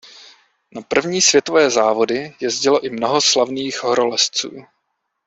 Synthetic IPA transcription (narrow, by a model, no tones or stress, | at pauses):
napr̩vɲiːsvjɛt̪ovɛːzaːvo̞dɪjɛzɟɪlo̞ʔɪmnoɦo̞slavniːxɦɾolɛst͡sṵː